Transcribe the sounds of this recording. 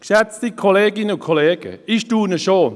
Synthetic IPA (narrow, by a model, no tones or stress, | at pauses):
kʃɛt͡stikʰoleːɡɪnəʊkʰoleːɡ̥ə̰ɪʃtuːnəʃoː